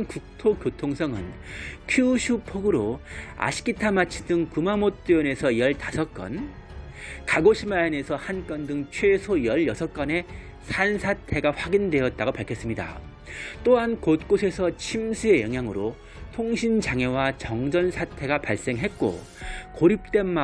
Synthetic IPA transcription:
nkuk̚tʰokjotʰoŋsʰʌŋɯnkʰjuɕʰupʰoɡɯɾoa̰ɕʰi̥k͈itʰamat͡ɕʰi̥dɯŋkumamot̚t͈iʌne̞sʰʌiʌɭtasʰʌk͈ʌ̰n | kaɡoɕʰimajʌne̞sʰʌhank͈ʌndɯŋt͡ɕʰwesʰoijʌɭjʌsʰʌk͈ʌne̞ | sʰansʰatʰe̞ɡaɸwaɡindwe̞ʌt̚t͈aɡopaɭkʰʌs͈ɯmɲida̰ | t͈oɦankot̚k͈osʰe̞sʰʌt͡ɕʰimsʰue̞jʌŋɦjaŋɯɾo | tʰoŋɕʰind͡ʑaŋewat͡ɕʌŋd͡ʑʌnsʰatʰe̞ɡapaɭs͈e̞ŋɦe̞t̚k͈o̰ | koɾip̚t͈e̞nma

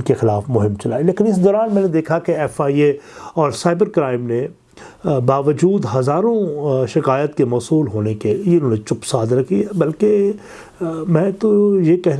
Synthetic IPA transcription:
kexɪlaːfmʊɦɪmt͡ʃɐlaːileːkɪnɪs̬d̪ɔːɾaːnmɛ̃ːned̪eːkʰakeɛːfaːieɔːɾsaːɪbəɾkɾaːɪmne | baːʋəd͡ʒuːd̪ɦɐzaːɾõʃɪkaːjət̪kemɔːsuːlɦoːnekejeʊnɦõːnẽt͡ʃʊpsaːd̪ɾɐkʰiɦɛbɐlke | mɛ̃ːt̪ojekɛɦ

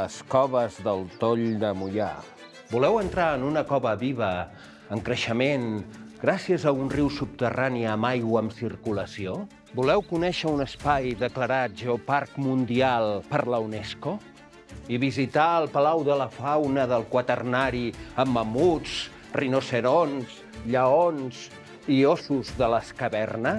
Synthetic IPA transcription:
əskɔβəzðəlˠt̪oʎd̪əmuja̰ | bulɛwənt̪ɾaənunəkɔβəβiβə | əŋkɾəʃəmenɡ̥ɾasiəzəunriwsup̚t̪əraniəəmajɣwəəmsirkuləsio | bulɛwkunɛʃəunəspajðəkləɾat̪ʒeoparkmund̪ialˠpəɾləunɛsko | iβizit̪aəlˠpəlawðələfawnəðəlˠkwət̪ərnaɾiəmːəmut͡sd͡z | rinosəɾonz̥ | ʎəonz | iosuzðələskəβɛrnə

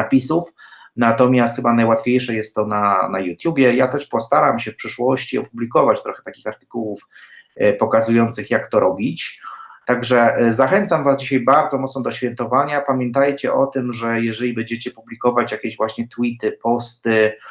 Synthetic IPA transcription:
apʲisuf | nat̪ɔmʲjast̪xɘbanajwat̪fʲjejʂɛjɛst̪ːɔnana̰jut̪ʲjubʲjɛjat̪ɛʂpɔst̪aɾamɕɛfpʂɘʂwɔɕt͡ɕiɔpublʲikɔvat͡ɕt̪ɾɔxɛt̪akʲi̥xaɾt̪ɘ̥kuwuf | pɔkazujɔnt̪sɘxjakt̪ɔɾɔbʲit͡ɕt̪aɡʐɛzaxɛnt̪samvazd͡ʑiɕajbaɾd̪ɔmɔt̪snɔd̪ɔɕfʲjɛnt̪ɔvaɲapamʲjɛnt̪ajt͡ɕɛʔɔt̪ɘmʐɛjɛʐɛlʲibɛɲd͡ʑɛt͡ɕɛpublʲikɔvat͡ɕjakʲeʑvwaɕɲɛt̪wit̪ɘpɔst̪ɘ

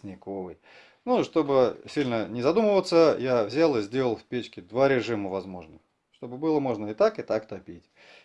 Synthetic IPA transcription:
nʲɪko̞vɨj | nuʂt̪o̞bɨsʲilʲnənʲɪzɐd̪uməvət̪səjavzʲalˠɨzʲdʲelˠəlˠfʲpʲet͡ɕkʲɪd̪vaɾʲɪʐɨməvɐzmo̞ʐnə | ʂt̪o̞bɨbɨlˠəmo̞ʐnəɪt̪akɨt̪akt̪ɐpʲitʲ

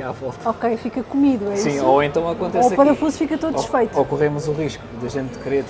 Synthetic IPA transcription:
avɔlˠt̪ɐɔkejfikɐkumiðuɛisĩsoẽnt̪ɐ̃w̃ɐkõnt̪esoɐkpɐɾɐfuzfikɐt̪oðʃfɐjt̪uokuʁemuzuʁiʃkuðɐʒẽnt̪̚ːkɨɾeɾ

